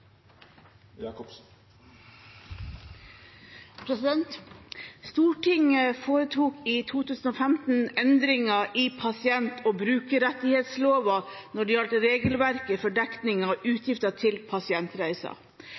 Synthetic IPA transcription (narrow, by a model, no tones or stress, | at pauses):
pʰɾɛsɪd̪ɛnt̪st̪uːʈɪŋəfoːɾət̪ʰuːkiːt̪ʰuːt̪ʰʉːsn̩oːfæmt̪n̩ɛnd̪ɾɪŋɑʔiːpʰɑsɪɛnt̪ʰoːbɾʉːkəɾɛt̪ɪheːt̪sloːʋɑnɔɖiːjɑlt̪əɾeːɡəlʋæɾkəfɔɖɛkt̪nɪŋɑʔʉːt̪ʰjɪft̪ɑt̪ʰɪlpʰɑsɪɛnt̪ɾæɪsɑ̰